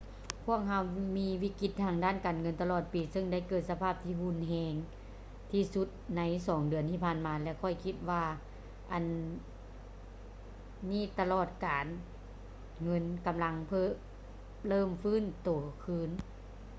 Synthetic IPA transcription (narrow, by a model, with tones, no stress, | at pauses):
kʰu˧˥˩əŋ̚ha˧˥wmiː˧˥wiː˧˥˨ki˧˥t̪ʰːaː˧ŋdaː˧˥˨nkaː˨˩nŋɤ˧˥nt̪a˧lɔː˧˩t̪̚piː˨sɯ˧ŋda˧˥˩jkɤː˧˩t̪̚sa˧pʰaː˧˥˩p̚t̪ʰiː˧˩hu˧˥˨nɦɛː˧ŋ | t̪ʰiː˧˩su˧˦t̪̚na˧˥jsɔː˨˦ŋdɯ˨˩ənt̪ʰiː˧˩pʰaː˧˩˨nmaː˨˧˦lɛ˧kʰɔ˧˩jkʰi˧˥t̪̚ʋaː˧ | ʔa˨˩n | miː˧˥˨t̪a˧lɔː˧˩t̪̚kaː˨n | ŋɤ˧˥nka˨mla˧˥ŋpʰɤː˧˩ | lɤː˧˥˩mfɯː˧˥˨nt̪oː˨˩˦kʰɯː˧˥n